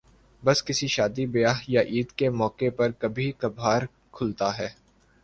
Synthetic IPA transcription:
bɐskɪsiʃaːd̪ibɐjaːɦjaʔiːd̪kemɔːkepɐɾkɐbʱikɐbʱaːɾ | kʰʊlt̪aɦɛː

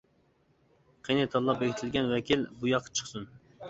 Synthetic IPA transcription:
qʰejnɪt̪ʰɑlˠɑpeɡʲit̪ʰɪlɡʲɛnwɛkʲilbujɑqʰːɑ̥t͡ʃʰə̥χsun

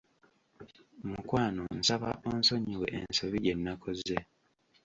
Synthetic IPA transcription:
mukwaːnonsaβa̰ʔoːnso̞ɲiwe̞̰ʔensoβijenːakʰoze

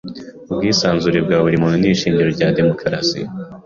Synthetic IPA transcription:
ubɡiːsaːnzuɾebɡaːβuɾimununiʃiːɲɟiɾo̞ɾɟaːde̞mo̞kʰɾa̰sḭ

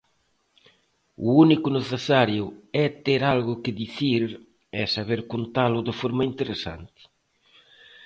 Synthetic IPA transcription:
ṵunikʊneθesaɾjʊɛt̪eɾalɣʊkɪðiθiɾ | ɛsaβeɾkont̪alʊðɪfɔɾmɐint̪eɾesa̰nt̪ɪ̥

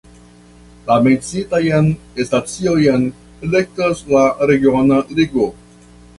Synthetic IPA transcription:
lamet͡sitajanestat͡siojan | elek̚taslaɾe̞ɡionaliɡo

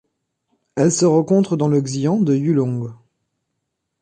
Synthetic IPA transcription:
ɛlsəʁɑ̃kɔ̃t̪χəd̪ɑ̃ləɡzijɑ̃d̪əjylɔ̃ɡ

